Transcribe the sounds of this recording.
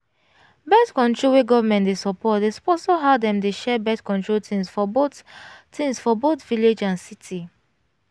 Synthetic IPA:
bɛtkɔ̃ntɹiweɡɔvamɛ̃ntdesɔpʰɔt̚despɔsoɦadɛ̃mdeʃɛbɛtkɔ̃ntɹoltʰĩmsfɔbottʰĩmsfɔbotviled͡ʒãnsitʰi

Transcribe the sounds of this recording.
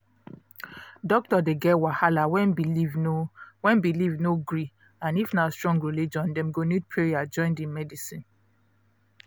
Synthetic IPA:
dɔk̚tɔdeɡɛwahalawɛ̃nbilivnowɛ̃nbilivnoɡɹi | ãnifnastɹɔ̃ŋɡɹilid͡ʒɔ̃ndɛ̃mɡonid̚pʰɹeɹiad͡ʒɔ̃ɪ̃ndĩmɛdisĩn

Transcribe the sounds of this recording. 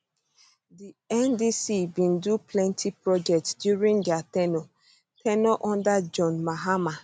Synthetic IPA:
diɛ̃ndisibĩnduplɛ̃ntʰipɹɔd͡ʒɛk̚tsdjuɹĩndatɛnɔ | tʰɛnɔʔɔ̃ndad͡ʒɔ̃nmaɦama

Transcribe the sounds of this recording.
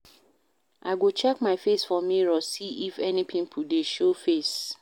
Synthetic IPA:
ʔa̰ɪɡot͡ʃɛkmaɪfesfɔmiɹɔsiifɛnipʰĩmpʰudeʃofes

